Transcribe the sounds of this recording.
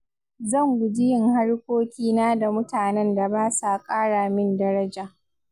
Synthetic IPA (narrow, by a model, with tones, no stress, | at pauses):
zɐ˦˨ŋɡʷʊ˨d͡ʒɪ˦jɪ˦˨ŋha˦ɽkʷoː˦kʲiː˦naː˦da˨mʊ˦taː˨nɛ˦nda˨baː˦sa˨kʼaː˦ɽaː˨mɪ˦ndɐ˦ɾɐ˦d͡ʒaː˨